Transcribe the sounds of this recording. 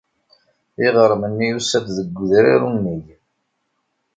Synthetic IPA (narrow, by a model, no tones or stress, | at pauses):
iʁəɾˤmənːijusæt̪ðəɡʷːðɾa̰ɾunːiʝ